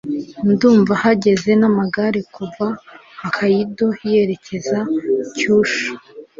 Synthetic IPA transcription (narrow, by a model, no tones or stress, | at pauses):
nduːɱvahaɟe̞ze̞namaɡaɾekuva | hakʰajido̞hije̞ɾe̞cʰe̞zacuːʃu̥